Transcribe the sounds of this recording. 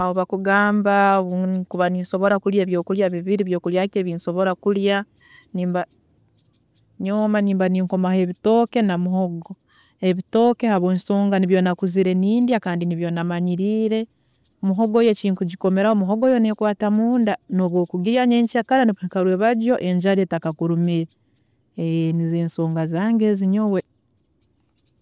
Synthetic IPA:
aoβakuɡaːmbaukuβaniːnso̞βo̞ɾakuljaβjo̞ːkuljaβiβiɾiβjo̞ːkuljakeβinso̞βo̞ɾakulja | niːmba | ɲoːmaniːmbaniŋko̞mahe̞βito̞ːke̞namuho̞ɡo̞ | eβito̞ːke̞haβwo̞ːnsoːŋɡaniβjonakuziɾe̞niːndijakaːndiniβjo̞namaɲiɾiːɾe̞ | omuɦo̞ɡoːjeciːŋtuɟiko̞me̞ɾahomuɦoɡo̞ːjo̞nekwaːtamuːndanoβwo̞ːkuɡiaɲeːɲcakaɾaniikaɾweβaɟjo̞ʔe̞ɲd͡ʒaɾetakakuɾumiɾe | nizeːnso̞ːŋɡazaːŋɡeziɲowe

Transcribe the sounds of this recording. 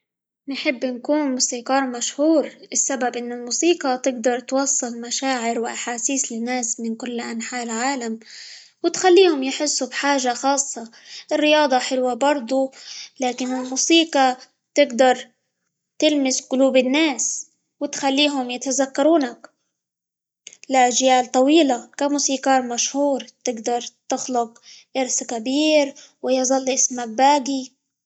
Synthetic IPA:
nħɪbːnkuːnmusiːqɑːɾˤmaʃhuːɾʔɪsːababʔɪnːʊlmuːsiːqɑt̪ɪɡd̪ɑɾˤt̪wɑsˤːɨlmaʃaːʕɪɾwʔaħaːsiːslɪnːaːsmɪnkʊlːʔanħaːʔlʕaːlam | wɪt̪xalːiːhʊmjħɪsːubħaːʒaxɑːsˤːɑ | ʔɪrːɪjɑːd̪ˤɑħɪlwabɑɾˤd̪ˤulaːkɪnɪlmuːsiːqɑ | t̪ɪɡd̪ɑɾˤ | t̪ɪlmɪsqʊluːbɪnːaːs | wɪt̪xalːiːɦʊmjɪt̪azakːɑɾuːnak | laʔaʒjaːlt̪ˤɑwiːlakamuːsiːkɑːɾmaʃhuːɾt̪ɪɡd̪ɑɾˤt̪ɪxlʊqʔɪɾskabiːɾwɪjzˤɑlːʔɪsmak̚baːɡi

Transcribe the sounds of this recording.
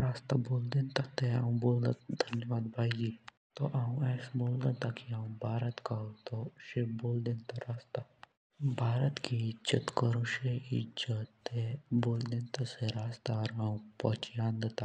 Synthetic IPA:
ɾaːst̪aboːld̪ẽnt̪at̪eaũboːld̪at̪d̪ʱɐnjəʋaːd̪bʱaːid͡ʒiː | t̪oʔaːũɛːsboːld̪ət̪akiãːũbʱaːɾət̪kaot̪oʃeboːld̪ẽːnt̪aɾaːst̪a | bʱaːɾət̪kiɪd͡ʒət̪kəɾõʃeɪ̰d͡ʒət̪eboːld̪ẽːnt̪aseɾaːst̪aɾaũpət͡ʃjãːnd̪et̪a

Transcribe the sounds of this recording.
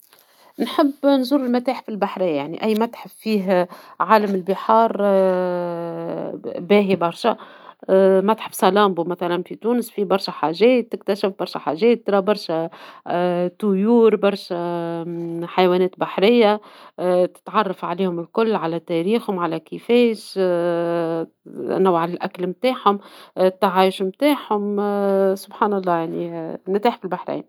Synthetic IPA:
nħɪbːnzuɾɪlmæt̪aːħfilbaħɾɪjːajaʕnḭʔæjːmæt̪ħɪfːiːɦʕaːlæmɪlbɪħɑːɾˤ | bæːɦibɑɾˤʃa | mæt̪ħəbːsˤɑlɑːmbumæθælænfit̪uːnəsfibɑɾˤʃæħaʒɛːt̪ːɪk̚t̪æʃɪfbɑɾˤʃaħaʒɛːt̪ːɾˤɑbɑɾˤʃæ | t̪ʊjuːɾbɑɾˤʃæ | ħajwænɛːt̪baħɾɪjːa | t̪ɪ̥t̪ʕɑrˤːɑfʕaliːhʊmɪlkʊlːʕalæt̪ɛɾiːxhʊmʕalækɪfɛːʃ | nawʕalælʔæklmt̪aːħhʊmt̪ʕaːjʃmt̪aːħhʊmsʊbħaːnɑlˤːɑːjaʕninæt̪aːħfilbaħɾa̰jn

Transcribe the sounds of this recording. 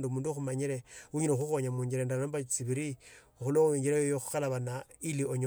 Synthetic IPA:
ndumuːnduoxumaɲiɾeuɲinoxuxoɲamuɲd͡ʒiɾendaombat͡siβiɾi | oxuloiɲɟiɾajojoxu̥xalaβanailioɲo

